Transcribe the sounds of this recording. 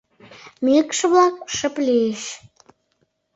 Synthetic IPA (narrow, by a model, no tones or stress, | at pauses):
mikʃə̆βlɑk̚ʃə̆plieʃ